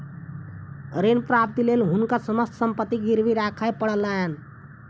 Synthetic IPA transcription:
ɾenpɾap̚t̪ilelɦunkasəməst̪səmpət̪ːiɡiɾbiɾakʰajpəɽəlaɦen

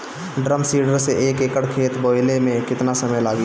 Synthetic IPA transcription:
ɖɾəmsiːɖəɾseʔeːkeːkəɽkʰeːt̪boːɪlemẽkɪt̪nasəməjlaːɡi

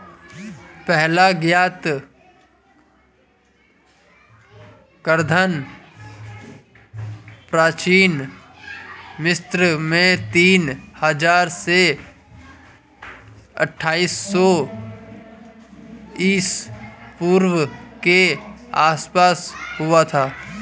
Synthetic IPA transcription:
pɛɦlaɡjaːt̪ | kəɾd̪ʱan | pɾaːt͡ʃiːn | mɪst̪ɾəmẽt̪iːnhəd͡ʒaːɾse | ə̰ʈʰːaːiːsːɔ | ɪspuːɾwəkeaːspaːshʊat̪ʰaː

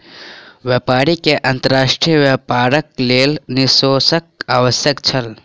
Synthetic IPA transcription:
ʋjapaːɾikeʔɐ̃nt̪əɾaːʃʈɾijəʋapaːɾək̚leːlnisoːsək̚aːʋəsjəkt͡ʃʰɐl

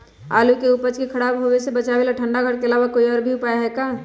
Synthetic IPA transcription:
a̰ːlukeupət͡ʃkekʰɐɽaːbɦowesebɐt͡ʃaʋelaʈʰə̃ɳɖaɡʱəɽkeɐlaːʋakoːiɔːɾbʱiʊpaːjaɦɛkaː

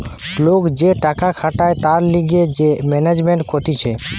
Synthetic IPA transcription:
lokd͡ʑeʈakakʰaʈaet̪aɾliɡed͡ʑemɛned͡ʑmeɳʈkʰot̪it͡ɕʰe

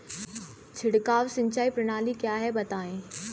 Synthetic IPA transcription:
t͡ʃʰɪɽkaːʋsɪ̃ɲt͡ʃaːipɾɐɽ̃aːlikjaːɦɛbɐt̪aːẽː

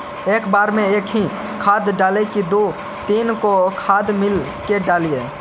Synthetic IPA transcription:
eːkbaːɾmẽeːkɦĩ | kʰaːd̪ɖaːlekid̪o | t̪iːnkokʰaːd̪mɪl | keɖaːlije

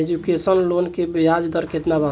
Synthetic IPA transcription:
ed͡ʒukesənlonkebjad͡ʒd̪əɾket̪naba

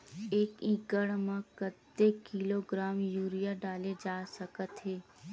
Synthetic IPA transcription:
eːkĩːkəɽmãkət̪ːekiloɡɾaːmjuːɾijaɖaːled͡ʒaːsəkət̪ɦeː

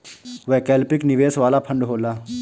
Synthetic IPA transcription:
ʋɛːkɛːlpɪknɪʋeːsʋaːlapʰə̃ɳɖɦoːlaː

